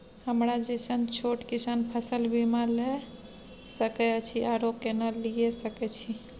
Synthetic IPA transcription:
həmɾad͡ʒesənt͡ʃʰoʈkisanpʰəsəlbimale | səkɛt͡ʃʰiaɾokkenalijesəkɛt͡ʃʰi

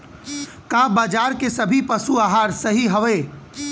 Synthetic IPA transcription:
kaːbaːd͡ʒaːɾkesɐbʱipɐsuaːɦaːɾsɐɦiɦɐʋeː

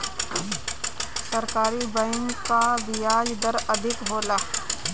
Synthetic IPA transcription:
sɐɾkaːɾibɐɪŋkaʋɪjaːd͡ʒd̪ɐɾɐd̪ʱɪkɦoːlaː

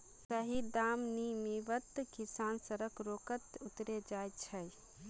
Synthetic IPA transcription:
səɦid̪amnimiʋət̪kisansəɾəkɾokət̪ut̪ɾed͡ʒajt͡ʃʰəj

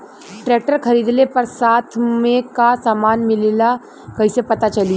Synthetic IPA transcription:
ʈɾɛːk̚ʈəɾxɐɾiːd̪nepɐɾsaːt̪ʰmẽkasaːmaːnmɪlela | kɐɦĩsepɐt̪at͡ʃɐli

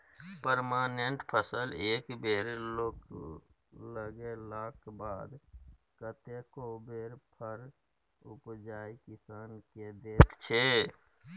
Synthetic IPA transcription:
pəɾmaːneɳʈpʰəsəleːkbeːɾlok | ləɡelaːkbaːd̪ | kət̪ekobeːɾpʰəɾ | ʊpd͡ʒaːikɪsaːnked̪eːt̪t͡ʃʰeː

